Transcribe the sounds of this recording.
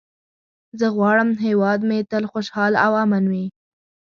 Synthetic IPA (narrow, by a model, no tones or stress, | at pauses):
zəɣwɑɽəmɦewɑd̪met̪əlxoʃhɑlawamanwi